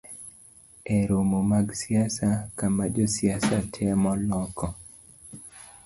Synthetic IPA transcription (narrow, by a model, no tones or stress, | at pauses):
eɾomomaɡsiasakamad͡ʒosiasatʰemɔlɔkʰɔ